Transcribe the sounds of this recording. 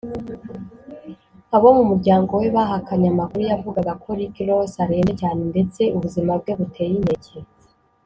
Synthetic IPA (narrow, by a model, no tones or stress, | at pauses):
aβo̞mumuɾɟaːŋɡo̞we̞βaɦakaɲamakuɾujavuɡaɡakʰo̞ɾikiɾo̞saɾe̞ːβecaːne̞nde̞t͡se̞uβuzimab̚ɡe̞βutʰe̞ːjine̞ɟe